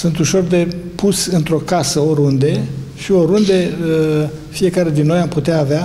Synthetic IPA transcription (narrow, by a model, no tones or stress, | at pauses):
sɨnt̪uʃo̞rd̪e̞pusʲɨnt̪ɾo̞kasəoɾund̪e̞ʃio̞ɾund̪e̞ə | fije̞kaɾe̞d̪inːo̞jamput̪eaːvea